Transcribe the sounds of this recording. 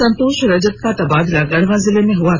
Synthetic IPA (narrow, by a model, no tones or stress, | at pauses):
ɐ̃nt̪oːʃɾɐd͡ʒət̪̚kat̪ɐbaːd̪ɪlaɡɐɽ̤ʋãzɪlemẽɦʊa